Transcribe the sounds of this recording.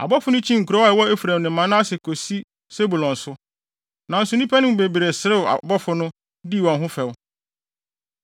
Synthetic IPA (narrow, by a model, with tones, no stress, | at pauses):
a̰˨bɔ˦fʊ˦nʊ̃˦t͡ɕʰĩ˦ŋ̩˨ku˨ɾɔ˦ɛ˨wɔ˦e˦fɾæ̃˨mnɪ̃˨˦mã˨nã˦a˦sɪ˨kʰo˨si˦ | se˦bu˨lɔ̃˨n˨sʊ˦ | nã˨n̩˨sʊ˨nĩ˦pʰɛ˦nɪ̃˦m̩˨be˨bɾe˨sɪ˨ɾɪ˦ʊ˨a̰˨bɔ˦fʊ˦nʊ̃˦ | di˦˨wɔ̃˨nɦʊ̃˦fɛ˨w